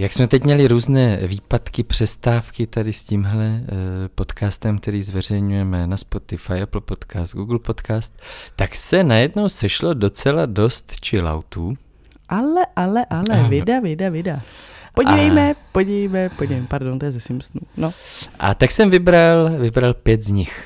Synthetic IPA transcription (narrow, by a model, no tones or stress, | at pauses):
jaksmɛt̪ɛcmɲɛlɪɾuːznɛːviːpat̪kɪpr̝̥ɛst̪aːfkɪt̪adɪsciːmɦlɛpo̞t̪kaːst̪ɛmk̚t̪ɛɾiːzvɛr̝ɛjɲujɛmɛnaspo̞t̪ɪfajɛpl̩po̞t̪kaːst̪ɡuɡl̩po̞t̪kaːst̪̚ːaksɛnajɛdno̞wsɛʃlo̞do̞t͡sɛlado̞st̪t͡ʃɪla̰wt̪uː | ʔalɛʔalɛʔʔalɛvɪdavɪdavɪdapoɟivɛjmɛpoɟɪvɛjmɛpoɟivejmɛpaɾdont̪ojɛzɛsimsnunoʔa̰t̪aksɛmvɪbɾalvɪbɾalpjɛt̪zɲɪx